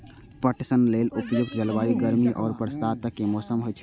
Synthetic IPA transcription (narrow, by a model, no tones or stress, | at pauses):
pəʈʰsənleːlʊpjʊk̚t̪ʰd͡ʒəlʋaːiɡəɾmiʔɔːɾpɾəst̪aːt̪əkːemɔːsəmɦojt͡ʃʰi